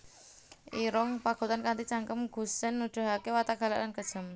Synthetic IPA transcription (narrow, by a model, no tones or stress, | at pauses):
ʔiɾɔŋpaɡ̥o̤t̪ankant̪it͡ʃaŋkəmɡ̥ṳsɪnːud̪̥a̤ɦakewat̪aɡ̥a̤lalankəd̥ʒ̥ə̤m